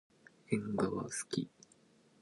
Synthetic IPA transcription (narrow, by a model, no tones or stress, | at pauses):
ẽŋɡaβa̰sɨ̥kʲi